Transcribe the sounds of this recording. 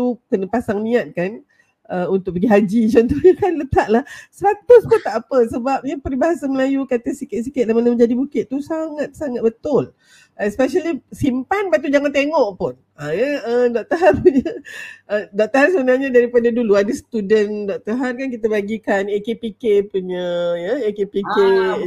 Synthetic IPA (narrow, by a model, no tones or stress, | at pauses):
t̪ukənəpasaŋnĩat̪̚kan | ʔəunt̪ʊk̚pəɡiɦad͡ʒit͡ʃɔnt̪uɲakanlət̪aʔlahsəɾat̪ʊspʊnt̪aʔapəsəbap̚ɲapəɾibaɦasaməlajukat̪əsikɪt̪̚sikɪt̪̚lahmanəmə̃ɲd͡ʒadibukɪt̪̚t̪usaŋat̪̚saŋat̪̚bət̪ʊl | ʔəspɛʃalisimpanbat̪̬ud͡ʒaŋant̪eŋɔʔpʊn | ajəədɔʔ̚t̪əɦarpuɲəədɔk̚t̪əɦarsəbənalɲadaɾipadaduluadəsə̥t̪udəndɔk̚t̪əɦarkankit̪abaɡikanekepikepuɲəjəekepike